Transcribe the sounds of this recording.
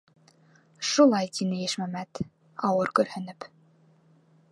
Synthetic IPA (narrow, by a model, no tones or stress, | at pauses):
ʃulˠɑjt̪inɘjɘʃmæmæt̪ | ɑwɤɾkɵ̆ɾhɵ̆nɘp